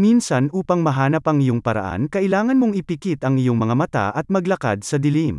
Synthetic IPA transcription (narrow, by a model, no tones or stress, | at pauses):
minsɐnʔuːpɐŋmɐɦaːnɐpɐŋɪjoŋpɐɾɐ̰ʔa̰nkɐʔɪlaːŋɐnmoŋɪpɪkit̪ɐŋɪjoŋmɐŋamɐt̪a̰ʔɐt̪̚mɐɡlɐka̰d̪̚sɐd̪ɪlim